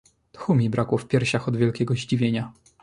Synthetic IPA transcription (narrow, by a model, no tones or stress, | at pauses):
t̪xumʲibɾakwɔfpʲjɛɾɕaxɔd̪vʲjɛlkʲɛɡɔʑd͡ʑivʲjeɲa